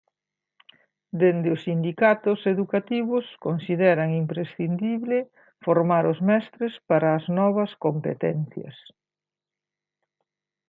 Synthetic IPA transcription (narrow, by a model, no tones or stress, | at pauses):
d̪end̪ɪʊsːind̪ikat̪ʊseðukat̪iβʊskonsiðɛɾɐŋimpɾesθind̪iβlɪ | foɾmaɾʊzmɛst̪ɾespaɾɐːznɔβɐskompḛt̪ɛ̰n̟θjɐ̰s